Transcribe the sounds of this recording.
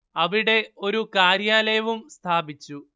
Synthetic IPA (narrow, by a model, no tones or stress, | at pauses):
ɐʋiɽe̞o̞ɾukaːɾjaːlɐjɐʋumst̪ʰaːbit͡ɕːu